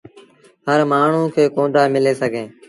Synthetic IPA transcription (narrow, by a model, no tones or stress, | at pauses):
ɦəɾmaːɳ̤ũːkʰeːkõːɖaːmɪleːsəɡʱẽː